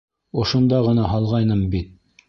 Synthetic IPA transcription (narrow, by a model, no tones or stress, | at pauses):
ŏʃŏnd̪ɑʁɤ̆nɑɦɑlˠʁɑjnɤmbit̪̚